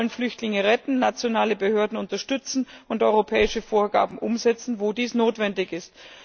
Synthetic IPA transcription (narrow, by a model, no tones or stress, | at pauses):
lənflʏçtlɪŋəʁɛtn̩nat͡sjonaːləbəhøːɐdn̩ʊntɐʃtʏt͡sn̩ʊntʔɔʏʁopʰɛːɪʃəfoːɐɡa̰ːbm̩ʔʊ̰mzɛt͡sn̩voːdiːsnoːtv̥ɛndɪçɪst